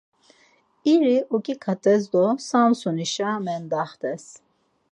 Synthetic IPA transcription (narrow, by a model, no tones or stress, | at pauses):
iɾiʔɔkʼikʰat̪ʼɛzd̪ɔsamsuniʃamɛnd̪aχt̪ʰɛs